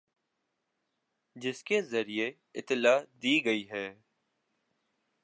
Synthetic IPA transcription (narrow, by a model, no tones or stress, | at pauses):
d͡ʒɪskezəɾie | ɪt̪ːɪlaːd̪iːɡɐiːɦɛː